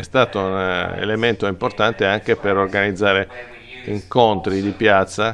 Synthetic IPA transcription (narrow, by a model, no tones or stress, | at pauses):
ɛst̪aːt̪ounḛlement̪oimport̪ant̪eaŋkepeɾorɡanid̪zːaːɾe | iŋkont̪ɾid̪ipjat̪sːa